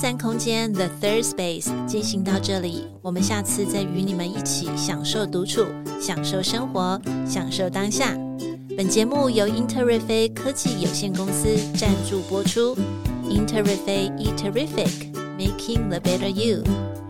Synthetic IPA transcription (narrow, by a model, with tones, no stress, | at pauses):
sa˥nkʰʊ˥ŋt͡ɕjɛ˥nðə˨θə˥spe˥˩ɪst͡ɕi˥˩nɕi˧˥ŋt̪ɑ˥˧ʊʈ͡ʂɤ˥˩li˨˩ | wɔ˨˩mə˨˦nɕja˥˧t͡sʰɹ̩˥˧t͡sa˥˩ɪy˧˥ni˨˩mə˦ni˥˩t͡ɕʰi˨˩˦ɕjɑ˨˩ŋʂo˥˩ʊt̪u˧˥ʈ͡ʂʰu˨˩˦ɕjɑ˨˩ŋʂo˥˩ʊʂɤ˥ŋxwɔ˧˥ɕjɑ˨˩ŋʂo˥˩ʊt̪ɑ˥ŋɕja˥˩ | pə˨˩nt͡ɕjɛ˧˥mu˥˩jo˧˥ʊi˥nt̪ʰə˥˧ɹɛ˥˩fe˥ɪkʰɤ˥t͡ɕi˥˩jo˨˩ʊɕjɛ˥˩nkʊ˥ŋsɹ̩˥ʈ͡ʂa˥˧nʈ͡ʂu˥˩pwɔ˥ʈ͡ʂʰu˥i˧˥nt̪ʰə˥˧ɹfe˥ɪi˥t̪ʰə˨˧ɹi˥fɪ˨˩k | me˥ɪkʰi˧ŋðə˨bɛ˥ɾə˧ju˥˩